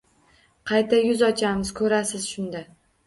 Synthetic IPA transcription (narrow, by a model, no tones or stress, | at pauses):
qʰɑjt̪ʰajʊzɒt͡ʃʰamɪzkʰɵɾasɪz̥ʃʊnd̪a